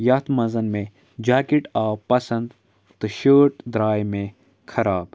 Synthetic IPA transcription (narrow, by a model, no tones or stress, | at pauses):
jɐt̪mɐzɐnmẽ | d͡ʒaːkiʈaːwpɐsɐ̃nd̪ | t̪ɨʃəːʈd̪ɾaːjmẽ | kʰɐɾaːb